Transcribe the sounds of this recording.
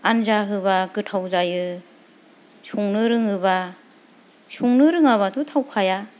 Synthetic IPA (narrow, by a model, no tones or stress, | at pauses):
anzaɦɯβaɡɯtʰawzajɯ | suŋnɯɾɯŋɯba | suŋnɯɾɯŋaβatʰutʰawkʰaja